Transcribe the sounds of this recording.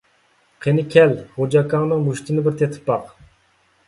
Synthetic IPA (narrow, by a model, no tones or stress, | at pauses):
qʰenɪkʲʰɛlhod͡ʒɑkɑŋnɨŋmuʃt̪ʰɪnɪbɪɾt̪ʰet̪ʰɪ̥pːɑq